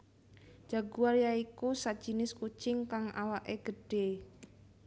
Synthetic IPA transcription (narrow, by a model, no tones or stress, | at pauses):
d͡ʒ̥a̤ɡuaɾjaikusad̥ʒ̥i̤nɪsku̥t͡ʃɪŋkaŋa̰waʔeɡ̥əɖ̥e